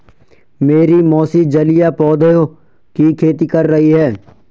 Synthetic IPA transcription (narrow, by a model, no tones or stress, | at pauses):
meːɾimɔːsid͡ʒɐlijapɔːd̪əjo | kikʰeːt̪ikɐɾːɐɦiɦɛː